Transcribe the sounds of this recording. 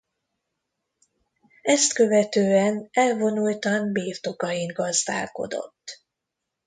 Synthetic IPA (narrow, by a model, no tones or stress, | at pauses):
ɛst̪kø̞vɛt̪øːɛnɛlvo̞nult̪ɒnbiːrt̪o̞kɒjiŋ̚ɡɒzd̪a̰ːlko̞̰d̪o̞̰t̪ː